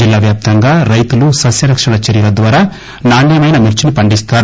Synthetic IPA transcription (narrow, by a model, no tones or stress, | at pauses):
ilːaːʋjaːp̚t̪ɐŋɡaːɾɐjt̪ulusɐsjɐɾɐkʂɐɽɐt͡ʃɐɾiːɾɐd̪ʋaːɾaː | naːɳijɐmɐjnɐmiɾt͡ʃinipɐɳɖist̪aːɾ